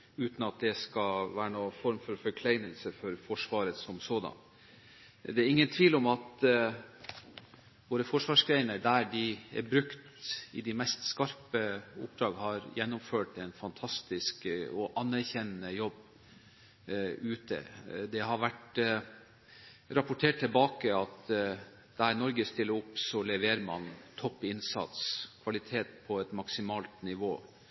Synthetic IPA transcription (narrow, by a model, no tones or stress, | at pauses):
ʉːt̪n̩ɑt̪̚d̪ɛskɑʋæːɾənoːfɔɾmfɔɾfɔɾkʰlæɪnəlsəfɔɾfɔʂʋɑːɾəsɔmsoːd̪ɑ̰n | d̪ɛæɾɪŋːənt̪ʰʋiːlɔmɑt̪ | ʋoːɾəfɔʂʋɑːʂɡɾæɪnəɾɖ̪æɖɪɛ̰ɾbɾʉkt̪ɪ̰d̪ɪmɛst̪skɑɾpəʊ̰p̚d̪ɾɑːɡhɑɾjɛnːʊmføːʈɛɪnfɑnt̪ʰɑst̪ɪskɔʔɑnːæɾçɛnənəjɔbː | ʉːt̪ə̰d̪ɛɦɑɾʋæʈ | ɾɑpʊʈʰeːʈ̪̚ʰːɪlbɑːkəɑt̪ | d̪̥æɾnɔɾɡəst̪ɪlːəɾʊpːsɔlɛʋeːɾmɑ̰nt̪ʰɔpːɪnsɑ̰t̪skʰʋɑlɪt̪ʰeːt̪̚pʰɔɛt̪mɑksɪmɑːlt̪nɪʋoː